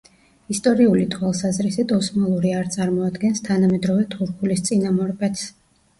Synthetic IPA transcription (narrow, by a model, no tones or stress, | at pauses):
ist̪ʼɔɾiulit̪ʰwalˠsazɾisit̪ʰɔsmalˠuɾiaɾt̪sʼaɾmɔad̪ɡɛnst̪ʰanamɛd̪ɾɔvɛt̪ʰuɾkʰulist̪sʼinamɔɾbɛt̪s